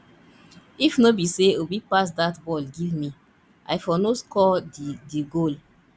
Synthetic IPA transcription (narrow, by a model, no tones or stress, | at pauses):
ifnobiseobipas̬datbɔlɡivmi | a̰jfɔnoskɔddiɡol